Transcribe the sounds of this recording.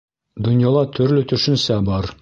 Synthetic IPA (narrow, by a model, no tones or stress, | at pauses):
d̪ŏnjɑlˠɑt̪ʰɵ̆ɾlɵt̪ɵ̆ʃɘ̆nsæbɒɾ